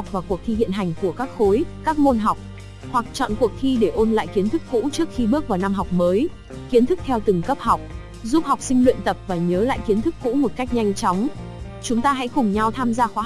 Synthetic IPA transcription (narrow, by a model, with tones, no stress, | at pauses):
k͡p̚vaː˨˩ku˨˩ək̚t̪ʰi˧hḭ˧˨ənɦa˨˩jŋ̟ku˧˩əkaː˦˥k̚xo˨˦jkaː˦˥k̚mo˧nɦa˨˩wk͡p̚ | hwa˨˩k̚t͡ɕɔ̰˧˨nku˨˩ək̚t̪ʰi˧ɗe˧˩ʔo˧nla̰ː˧˨jki˨˦ənt̪ʰɨ˦˥k̚fṵ˧˥t͡ɕɨ˦˥ək̚xi˧ɓɨ˦˥ək̚vaː˨˩na˧mɦa˨˩wk͡p̚məː˨˦j | ki˨˦ənt̪ʰɨ˦˥k̚t̪ʰɛ˧wt̪ɨ˨˩ŋkə˦˥p̚ha˨˩wk͡p̚ | zu˦˥p̚ha˨˩wk͡p̚sï˧ŋlwḭ˧˨ənt̪ə˨˩p̚vaː˨˩ɲəː˨˦la̰ː˧˨jki˨˦ənt̪ʰɨ˦˥k̚kṵ˧˥mo˨˩t̚ka˦˥jk̟̚ɲa˧jŋ̟t͡ɕɔ˨˦wŋ͡m | t͡ɕʊ˨˦ŋ͡mt̪aː˧ɦa̰˧˥jxʊ˨˩ŋ͡mɲa˧wt̪ʰaː˧mzaː˧xwaː˨˦